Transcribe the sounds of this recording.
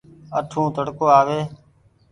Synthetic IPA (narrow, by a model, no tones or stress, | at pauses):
əʈʰũːt̪əɽkoːaːʋeː